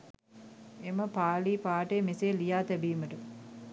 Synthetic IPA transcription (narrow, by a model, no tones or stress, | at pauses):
eməpaːliːpaːʈeːmeseːlijaːt̪æbiːməʈə